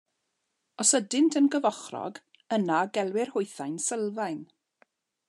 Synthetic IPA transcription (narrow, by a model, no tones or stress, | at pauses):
ɔsədɪntʰənɡəvɔχrɔ̰ɡ | ənaɡɛlˠwɪrhʊjθajnsəlˠvajn